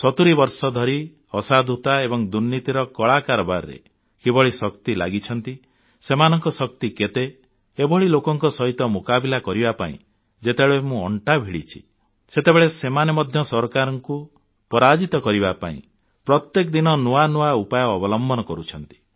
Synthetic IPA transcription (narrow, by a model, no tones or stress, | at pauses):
sɔt̪uɾibɔɾsɔd̪ʱɔɾi | ɔsad̪ʱut̪aebɔŋd̪uɾnit̪iɾɔkɔɭakaɾɔbaɾɾḛ | kibɔɭisɔkt̪ila̰ɡit͡ʃʰɔnt̪i | semanɔŋkɔsɔk̚t̪iket̪e | ebɔɭilokɔŋkɔsɔɦit̪ɔmukabilakɔɾibapa̰ḭ̃ | d͡ʒet̪eɭemũɔɳʈabʱiɽit͡ʃʰi̥ | set̪ebeɭesemanemɔd̪ʱjɔsɔɾkaɾɔŋku | pɔɾad͡ʒit̪ɔkɔɾibapa̰ḭ̃ | pɾɔt̪jek̬ɔd̪inɔnuanuaupajɔːbɔlɔmbʱɔnɔkɔɾut͡ʃʰɔn̪t̪i̥